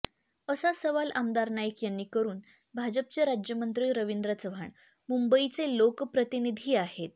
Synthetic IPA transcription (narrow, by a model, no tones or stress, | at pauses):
əsasəʋalʔamd̪aɾnajəkjanːiːkəɾuːn | bʱad͡zəp̚t͡seɾad͡ʑjəmənt̪ɾiːɾəʋind̪ɾət͡səʋʱaɳ | mumbəit͡selokpɾət̪inid̪ʱiːahet̪̚